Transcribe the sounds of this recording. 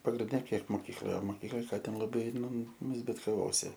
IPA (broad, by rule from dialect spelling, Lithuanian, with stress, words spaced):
pɐɡrʲɪnʲˈdʲɛ ˈkʲiɛk moːˈkʲiːklˠoːjɛ oː moːˈkʲiːklˠoːj ˈkɑː ˈtʲɛn lˠɐˈbɐɪ ˈnʊ zʲbʲɪtkɐˈʋoːsʲɪ